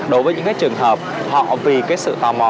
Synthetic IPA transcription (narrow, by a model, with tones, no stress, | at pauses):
ɗo˨˦jvəː˨˦ɲɨ̰˧˥ŋkaː˨˦jt͡ɕɨ˨˩əŋɦəː˨˩p̚hɔ̰˧˨vi˨˩kaː˨˦jsɨ̰˧˨t̪aː˧˩wmɔ˨˩